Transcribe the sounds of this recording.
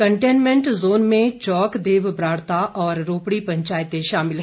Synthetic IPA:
kəɳʈeːnmẽɳʈzoːnmẽt͡ʃɔːkd̪eːʋbɾaːɽt̪aʔɔːɾːoːpɽipɐ̃ɲt͡ʃaːjət̪eʃaːmɪlɦ

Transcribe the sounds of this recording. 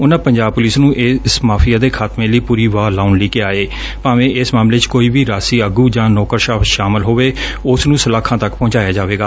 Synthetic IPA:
ʊnãːpəɲd͡ʒaːb̚pʊlɪsnũːʔɪsmaːpʰɪjaːd̪eːkʰaːt̪mẽːləiːpuːɾiːʋaːlaːʊnliːkɪaːeː | paːʋẽːʔɪsmaːmleːt͡ʃkoːiːbiːɾaːsiːəɡuːd͡ʒãːnɔːkəɾʃaːfʃaːmɪlɦoːʋeːʊsnũːsəlaːkʰãːt̪əkpɔ̃ːt͡ʃaːjaːd͡ʒaːʋeːɡaː

